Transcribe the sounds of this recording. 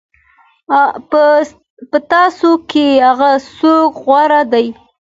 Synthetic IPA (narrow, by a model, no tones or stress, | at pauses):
pət̪ɑsokeaɣasokɣwaɾad̪aj